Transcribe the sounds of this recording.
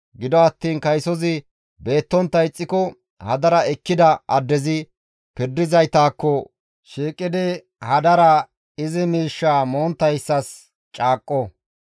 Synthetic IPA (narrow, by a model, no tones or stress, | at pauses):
ɡɪd̪ɔɐt̪ːiːnkɐjsɔzɪ | be̞ːt̪ːɔnt̪ːɐjt͡sʼːɪkɔ | hɐd̪ɐɾɐɛkːɪd̪ɐɐd̪ːɛzɪ | pɪɾd̪ːɪzɐjt̪aːkːɔ | ʃiːkʼːɪd̪ɪ | hɐd̪ɐɾɐ | ɪzɪmiːʃːaːmoːnt̪ːɐjsːɐs | t͡ʃʼaːkʼːɔ